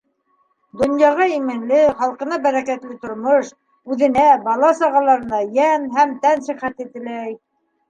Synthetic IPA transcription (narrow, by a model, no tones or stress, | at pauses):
d̪ŏnjɑʁɑimɘ̆nlɘχɑlˠqɤ̆nɑbæɾækæt̪lɘt̪ŏɾmoʃ | ʉðɘ̆næbɑlˠɑsɑʁɑlˠɑɾɤ̆nɑjænɦæmt̪ænsɘ̆χæt̪it̪ɘ̆læj